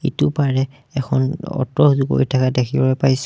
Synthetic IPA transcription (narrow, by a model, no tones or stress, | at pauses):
itupaɹɛ | ɛkʰɔnɔ̰tɔzuko̰ɹitʰakadekʰibɔɔpajs